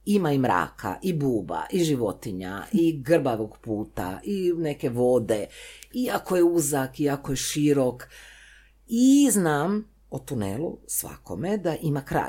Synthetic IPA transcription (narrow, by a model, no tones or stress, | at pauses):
imaimɾa̰ːkʰa̰ʔibuːba̰ʔiʒiʋo̞t̪iɲa̰ʔiɡr̩baʋoɡpuːt̪a̰ʔinekeʋo̞d̪eiakojeuzakiakojeʃiɾok | iznaːm | ot̪unḛlṵsʋa̰ko̞̰me̞d̪aʔimakɾa̰ː